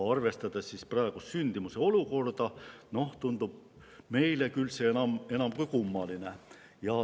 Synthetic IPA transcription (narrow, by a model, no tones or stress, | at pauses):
ɑrve̞st̪ɑd̪̥essisprɑeɡ̥ussynʲd̪̥imuse̞o̞luko̞rd̪̥ɑno̞ht̪und̪̥ub̥̚ | me̞jle̞kylse̞enɑme̞nɑmkujkumːɑline̞ | jɑ